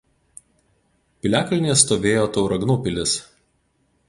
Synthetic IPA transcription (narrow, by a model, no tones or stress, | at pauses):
pʲɪlʲæːkɐlʲnʲeːst̪oːʋʲeːjoːt̪ɒʊɾɐɡnuːpʲɪlʲɪs